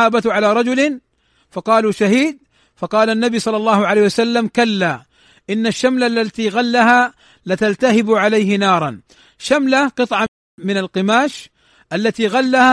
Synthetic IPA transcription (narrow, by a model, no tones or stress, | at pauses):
aːbat̪ʕalaːɾˤɑd͡ʒʊlɪn | fɑqɑːluːʃaɦiːd̪̚ | fɑqɑːlanːabijsˤɑlːɑlːɑːhʊʕalaːhjwasalːamkalːaː | ʔɪnːaʃːamlalːat̪iɣalːaɦaː | lɪt̪alt̪ahɪbʕalajɦɪnɑːɾˤɑn | ʃamlaqɨt̪ˤʕɑ | mɪnalqɨmaːʃ | ʔalːat̪iɣalːaha